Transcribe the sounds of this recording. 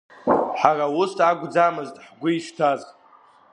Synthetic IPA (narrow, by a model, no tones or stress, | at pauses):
ħarawʊstaɡʷʼd͡zamɨztʼħɡʷʊiʂtʰaz